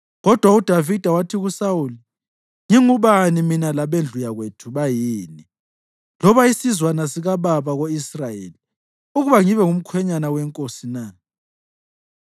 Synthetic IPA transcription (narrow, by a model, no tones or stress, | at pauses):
ɣɔd̥ʱwaud̥ʱavid̥ʱawatʰiɣusauli | ŋiŋuβaniminalaβend͡ɮʱujaɣwetʰuβajiːni | lɔβaisizwanasiɣaβaβaɣoisrajeli | uɣuβaŋiβɛŋum̩kʰwɛɲanawɛŋkʼosina